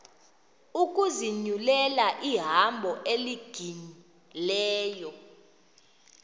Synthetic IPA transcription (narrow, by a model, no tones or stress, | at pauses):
uk̬ʼuziɲulɛlaʔiɦambʱɔʔeliɡ̥ʱini | lɛːjɔ